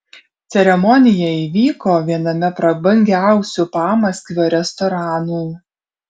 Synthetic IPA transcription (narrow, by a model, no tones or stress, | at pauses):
t̪sʲɛɾʲɛmɔnʲɪjɛiːʋʲiːkoːʋʲiɛnɐmʲɛpɾɐbɐŋʲɡʲæˑʊsʲupɑːmɐsʲkʲʋʲoːɾʲɛst̪ɔɾɑːnuː